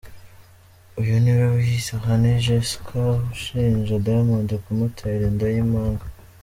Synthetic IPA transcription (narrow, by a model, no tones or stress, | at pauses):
ujoniβeβuhisaxaniʒeskʰahuʃiːnʒedamaːnzekumutʰaiɾendajimaːŋɡa